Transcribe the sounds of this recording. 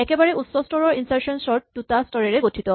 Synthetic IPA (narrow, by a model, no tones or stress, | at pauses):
ɛkɛbaɹɛutsɔstɔɹɔɹinsaɹsɔnsɔɹt̚dutastɔɹɛɹɛɡotʰit̪ɔ